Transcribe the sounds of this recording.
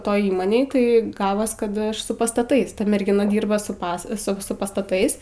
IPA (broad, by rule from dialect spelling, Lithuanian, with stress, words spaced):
ˈtoːj ˈiːmoːnʲeːj ˈtɐɪ ˈɡɑːʋoːs kɐt ˈɐʃ sʊ pɐstɐˈtɐɪs ˈtɐ mʲɛrʲɡʲɪˈnɐ ˈdʲiːrbɐ sʊ ˈpɐs sʊ ˈsʊ pɐstɐˈtɐɪs